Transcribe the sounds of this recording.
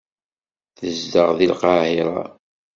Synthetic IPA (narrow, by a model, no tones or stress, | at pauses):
θəzd̪əʁðilqɑhiɾˤɑ̰